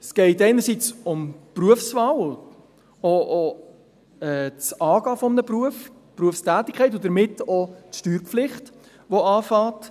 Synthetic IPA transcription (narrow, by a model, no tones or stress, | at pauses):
sɡ̥ɛɪtɛɪnəɾsit͡sʊmpruəfsvɑwl | oʔo | ɛt͡sɑːɡɑːfʊmənəpruəf | pɾuəfstæːtːɪkʰχɛɪt̬ʊd̥əɾmɪtotʃtyːɾpflɪχt | ʋoɑːfɑːt